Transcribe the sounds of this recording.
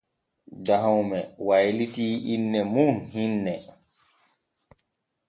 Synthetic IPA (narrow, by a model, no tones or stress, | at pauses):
daɦawmɛwajlitiːʔinːɛmunhinːɛ